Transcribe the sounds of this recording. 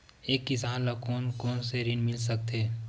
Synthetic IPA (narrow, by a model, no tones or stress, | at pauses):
eːkːɪsaːnlakoːnkoːnseɾɪnmɪls̬ək̚t̪eː